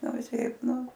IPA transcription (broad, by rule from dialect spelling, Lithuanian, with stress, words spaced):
ˈnʊ ʋʲɪˈsʲɛɪp ˈnʊ